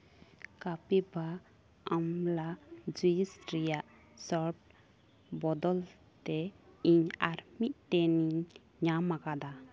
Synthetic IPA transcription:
kapiba | amlad͡ʒujisɾijaʔ | sɔɾp̚ | bɔd̪ɔl | t̪ɛiɲaɾmiʔ̚tɛniɲ | ɲamaɡad̪a

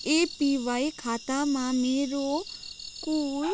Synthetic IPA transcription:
epiʋajkʰaːt̪amãmeːɾokuː

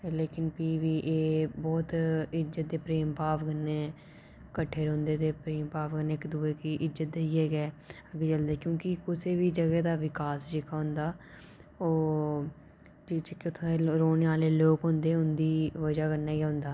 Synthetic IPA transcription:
leːkɪnpiːʋiːʔeːbɔːt̪ɪzət̪̚d̪eːpɾeːmpaːʋkəneː | kəʈʰːeːɾõːnd̪eːt̪eːpɾeːmpaːʋkəneːɪkd̪uːeːkiʔɪzət̪̚d̪eːiːɛːɡɛːəɡeːd͡ʒəld̪eːkjõːkɪkʊseːʋiːd͡ʒəɡɛːd̪aːʋɪkaːsd͡ʒɪkaːɦʊ̃nd̪aː | oː | d͡ʒiːt͡ʃɪkːet̪ʰːeɾoːneaːleːloːkɦõnd̪eːʊnd̪iːʋəd͡ʒaːkəɾnaːɡɛːɦʊ̃nd̪aː

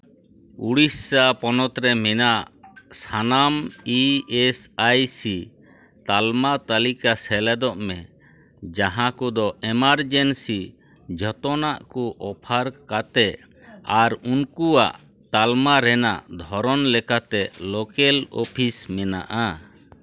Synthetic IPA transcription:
uɽisapɔnɔt̪ɾɛmɛnaʔʔsanamiɛsajsi | t̪almat̪alikasɛlɛd̪ɔʔmɛ | d͡ʒaɦãkɔd̪ɔɛmaɾd͡ʒɛnsi | d͡ʒʱɔt̪ɔnaʔkuʔɔpʰaɾkat̪ɛʔ | aɾunkua̰ʔ | t̪almaɾɛnaʔd̪ʱɔɾɔnlɛkat̪ɛlɔkɛlɔ̰pʰismɛna̰ʔa

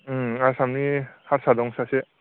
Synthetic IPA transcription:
aɾsamnihaɾsad̪ɔŋsase

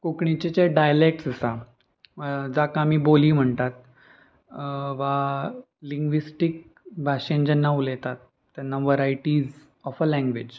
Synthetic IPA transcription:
kukɳit͡ɕet͡ɕeɖajəlek̚ʈsəsa | d͡zakãːmiːboliːm̤əɳt̪at̪̚ | ʋa | liŋɡʋisʈik̚ | bʱaʂend͡ʑɛnːaulɛt̪at̪ːjanːaʋəɾajʈid͡z | ɔfəlɛ̃ŋɡʋed͡ʑ

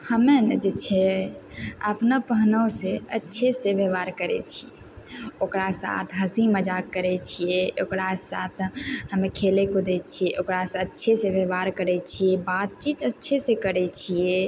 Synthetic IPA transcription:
həmenəd͡ʒet͡ʃʰɛ | əpnəpəɦnəseətːʃʰeseʋeʋaɾkəɾɛ̰t͡ʃʰie | okɾasa̰t̪ʰɦəsiməd͡ʒakːəɾɛt͡ʃʰijeʔokɾasa̰t̪ʰhəmekʰelekod̪ɛt͡ʃʰieʔokɾasətːt͡ʃʰesẽbeʋaɾkəɾɛt͡ʃʰiebat̪̚t͡ʃit̪ətːʃʰesekəɾɛt͡ʃʰie

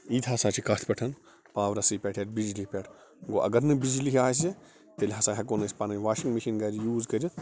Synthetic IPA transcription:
iːt̪ʰɐsaːt͡ʃʰikɐt̪ʰpʲɐʈʰɐn | paːʋɾɐsɨpʲeʈʰeʈ̚bid͡ʒlipʲɛʈʰ | ɡoːʔɐ̰ɡɐɾnɨbid͡ʒiliɦʲaːs̬i | t̪elʲɦɐsaːɦʲɐkonɐsʲpanɐʋaːʃiŋɡmiʃinɡɐd͡ʒjuːzkɐd͡ʒɨ

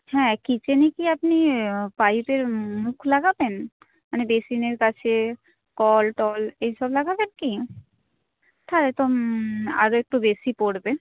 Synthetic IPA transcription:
hɛ̃kit͡ʃenikiapnipaipeɾmũkʰlaɡaben | manebesineɾkat͡ʃʰe | kɔlʈɔleɦiʃɔblaɡabenki | ʈ̪ʰaɾet̪o | a̰ɾoek̚ʈubesipɔɽbe

